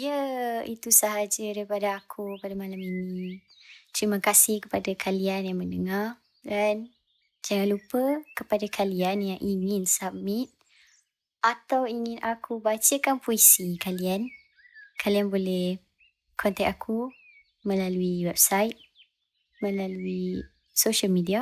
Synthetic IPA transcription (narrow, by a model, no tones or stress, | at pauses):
iəit̪usaɦad͡ʒədaipadaakʰupadamalamini | t̪ɾimakasɪhkə̥padakʰalianjaŋmənəŋar | dan | d͡ʒaŋanlupəkəpadakʰalianjaŋʔiŋɪnsamɪt̪̚ | ʔat̪awiŋɪnʔakʰubat͡ʃəkanpoisikalian | kʰalianbolɛh | kʰɔnt̪ɛk̚akʰu | mə̃laluiwɛp̚sajt̪̚ | mə̃lalui | soʃalmidia